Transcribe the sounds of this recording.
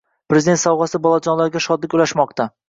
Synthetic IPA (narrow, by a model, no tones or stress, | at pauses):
pɾezɪd̪e̞nt̪sawʁɑsɪbɒlˠad͡ʒɒnlaɾɡʲaʃɒd̪lɪkʲʊlaʃmɒqt̪ʰa